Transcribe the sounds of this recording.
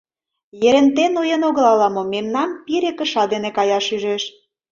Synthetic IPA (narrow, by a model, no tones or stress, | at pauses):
jeɾent̪enojenoɣlɑlɑmomemnɑmpiɾekə̆ʃɑd̪enekɑjɑʃyʒeʃ